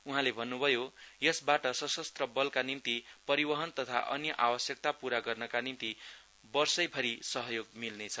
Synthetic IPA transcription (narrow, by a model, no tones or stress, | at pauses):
uɦãlebʱʌnːubʱʌjojʌsbaʈʌsʌsʌst̪rʌbʌlkanimt̪ipʌɾibʌɦʌnt̪ʌt̪ʰa̰ʔʌ̰njʌʔawʌsjʌk̚t̪apuɾaɡʌrnʌkanimt̪i | bʌrsʌjpʰʌɾisʌɦʌjoɡmilnet͡sʰʌ